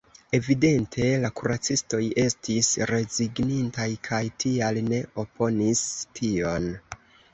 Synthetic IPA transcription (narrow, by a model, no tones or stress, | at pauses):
e̞vide̞ntʰe̞lakuɾat͡sisto̞je̞stisɾe̞ziɡnintajkʰajtʰialne̞o̞pʰo̞nistʰio̞n